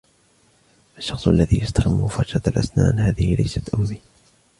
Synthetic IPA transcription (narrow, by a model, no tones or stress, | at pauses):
ʔaʃːɑxsˤʔalːaðiːjast̪axɪmːʊfɑɾʃat̪alʔa̰sna̰ːnhaːðɪhɪlajsat̪ʔʊmːiː